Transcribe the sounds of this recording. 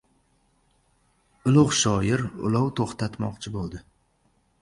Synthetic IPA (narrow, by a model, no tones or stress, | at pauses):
ʊlˠʊʁʃɒjɪɾʊ̰lˠawt̪ʰoχt̪ʰat̪mɒqt͡ʃʰɪbolˠd̪ɪ